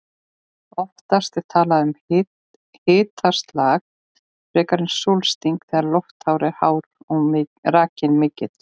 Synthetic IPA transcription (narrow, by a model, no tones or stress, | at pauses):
ɔft̪ast̪ɛɾ̥t̪ʰaːlaʏm | hɪːt̪ʰast̪laːɣ | rɛːkaɾɪnsulst̪iŋkθɛːɣaɾlɔwft̪hawɾɪhaːwɾɔraːcɪnmɪːcɪt̪